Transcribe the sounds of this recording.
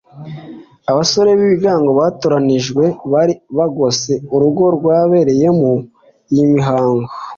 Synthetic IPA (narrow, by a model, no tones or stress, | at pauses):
aβaso̞ɾe̞βiβiɡaːŋɡo̞βaːtoɾaniʒɡwe̞βaɾiβaɡo̞ze̞uɾuɡo̞ɾɡwaːβe̞ɾe̞je̞mu | jimiɦaːŋɡo